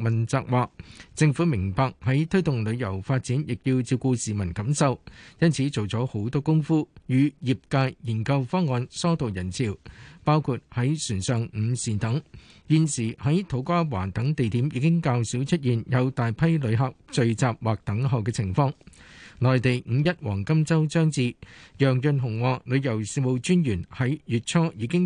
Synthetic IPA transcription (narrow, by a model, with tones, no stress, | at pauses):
mɐ˨˩nt͡saː˧k̚waː˨kt͡sɪ˧ŋfuː˨˥mɪ˨˩ŋpaː˧k̚hɐ˨˥jt̪ʰɵ˥t̪ʊ˨ŋlɵ˨˧ɥjɐ˨˩wfaː˧t̚t͡siː˨˥njɪ˨k̚jiː˧wt͡siː˧wkuː˧siː˨˩mɐ˨˩nkɐ˨˥msɐ˧wjɐ˥nt͡sʰiː˨˥t͡so˨wt͡sɔː˨˥ho˨˥wt̪ɔː˥kʊ˥ŋfuː˥jyː˨˧jiː˨p̚kaː˧jjiː˨˩nkɐ˧wfɔː˥ŋɔː˨˧nsɔː˥t̪o˨wjɐ˨˩nt͡sʰiː˨˩wpaː˥wkʰuː˧t̚hɐ˨˥jsyː˨˩nsœː˨ŋm̩˨˧siː˨˩nt̪ɐ˨˥ŋjiː˨˧nsiː˨˩hɐ˨˥jt̪ʰo˨˧˥wkaː˥waː˨˩nt̪ɐ˨˥ŋt̪e˨jt̪iː˨˥mjiː˨˧kɪ˥ŋkaː˧wsiː˨˥wt͡ʃʰɵ˥t̚jiː˨njɐ˨˧wt̪aː˨jpʰɐ˥jlɵ˨˧ɥɦɐ˨p̚t͡sɵ˨˧ɥt͡saː˨p̚waː˨k̚t̪ɐ˨˥ŋɦɐ˨wkɛː˧t͡sʰɪ˨˩ŋfɔː˧ŋlɔː˨jt̪e˨jŋ̩˨˧jɐ˥t̚wɔː˨˩ŋkɐ˥mt͡sɐ˥wt͡sœː˥ŋt͡siː˨˧jœː˨˩ŋjɵ˨˧nɦʊ˨˩ŋwaː˨˩nɵ˨˧jɐ˨˩wsiː˨˧mo˨˧wt͡ʃyː˥njyː˨˩nhɐ˨˥jjyː˨t̚t͡sʰɔː˥jiː˨˧˥kɪ˥ŋ